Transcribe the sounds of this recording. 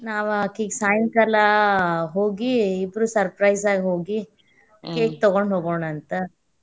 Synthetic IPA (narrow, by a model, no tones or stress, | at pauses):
naːʋɐkiːɡsaːjŋkɐlɐɦoːɡiːbɾuːsɐɾpɾɐjsaːɡiɦoːɡi | keːk̚t̪ɔɡoɳɖɦoːɡoɳɐnt̪ɐ